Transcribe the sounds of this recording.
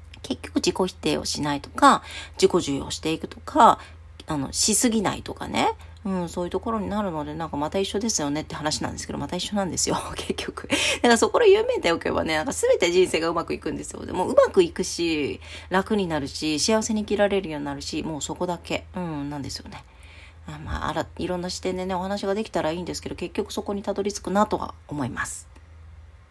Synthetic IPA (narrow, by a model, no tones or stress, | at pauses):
ke̞kʲːo̞kɯ̟d͡ʑiko̞çi̥t̪e̞ːo̞̰ɕinait̪o̞̥kad͡ʑiko̞ʑɨːjo̞̰ɕi̥t̪e̞ikɯ̟̥t̪o̞̥kʰa | ano̞̰ɕisɨɡʲina̰ḭt̪o̞ka̰ne̞̰ | ɯ̟̃ɴso̞ːjɯ̟t̪o̞ko̞ɾo̞ɲ̟inaɾɯ̟no̞d̪e̞nãŋkamat̪aiɕːo̞d̪e̞sɨjo̞ne̞t̪ːeɦanaɕinã̰nd̪esɨked̪o̰mat̪aiɕːo̞nãnd̪e̞sɨjo̞kʰe̞kʲːo̞kɯ̟naŋkaso̞ko̞ɾajɯ̟ːme̞ːt̪ejoke̞̰ba̰ne̞nãŋkasɨbe̞t̪e̞ʑĩɰ̃se̞ːɡaɯ̟makɯ̟ikɯ̟̃nd̪e̞sɨjo̞̰d̪ḛmoːɯ̟makɯ̟ikɯ̟ɕiɾakɯ̟ɲ̟inaɾɯ̟ɕiɕiaβase̞ɲ̟ikʲiɾaɾe̞ɾɯjoːɲʲinaɾɯ̟ɕimo̞ːso̞ko̞d̪ake̞ɯ̟̃nãnd̪e̞sɨjo̞̰ne̞ | amːa̰a̰ɾaiɾõ̞nːaɕi̥t̪ẽnd̪e̞ne̞o̞hanaɕiɡad̪e̞kʲi̥t̪aɾaiːnd̪esɨ̥ke̞d̪o̞ke̞kʲːo̞kɯ̟̥so̞ko̞ɲ̟it̪ad̪o̞ɾʲit͡sɨ̥kɯ̟nat̪o̞βa̰omo̞imasɨ̥